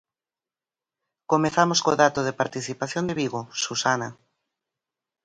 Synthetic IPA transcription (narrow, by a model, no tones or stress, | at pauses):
komeθamoskoðat̪oðepaɾt̪iθipaθjond̪eβiɣosusana